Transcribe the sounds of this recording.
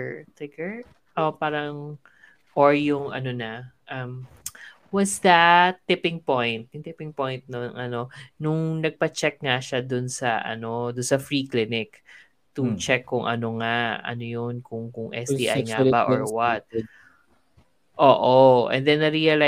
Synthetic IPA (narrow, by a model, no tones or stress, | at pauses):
t̪ɪkɛɹ | ʔopaːɾɐŋ | ʔoɹjʊŋʔɐ̰no̞nɐʔɐm | wɐsd̪ɐt̪ːɪpɪ̃ŋpojnt̪̚jʊŋt̪ɪpɪŋpojnt̪̚nonŋɐno̞nʊŋnɐɡ̚pɐt͡ʃɛk̚ŋaʃad̪ʊnsɐʔɐ̰no̞d̪ʊnsɐfɹiːklɪnɪk | t̪ʊt͡ʃɛkːʊŋʔɐ̰no̞ŋaɐ̰nojonkʊŋkʊŋʔɛ̰siːʔajŋabbaʔo̰ɹwɐt̪̚ | ʔoːʔoʔɛ̰nd̪ɛnɐɾiɐla